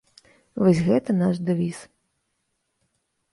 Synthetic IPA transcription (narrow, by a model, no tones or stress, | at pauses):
vɔsʲɣɛt̪ɐnaʂd̪avʲis